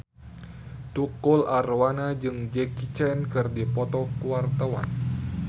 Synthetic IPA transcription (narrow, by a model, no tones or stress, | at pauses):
t̪ukʊlʔarwanad͡ʒɨŋd͡ʒɛkit͡ʃɛnkɨrdipɔt̪ɔkuwart̪əwa̰n